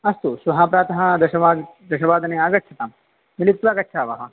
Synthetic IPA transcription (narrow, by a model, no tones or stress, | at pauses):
ɐst̪uʃʋɐɦaːpɾaːt̪ɐɦɐ̆d̪ɐʃɐʋaːd̪ɐʃɐʋaːd̪ɐneːaːɡɐtʃʰɐt̪aːm | milit̪ːʋaːɡɐtːʃʰaːʋɐɦɐ̆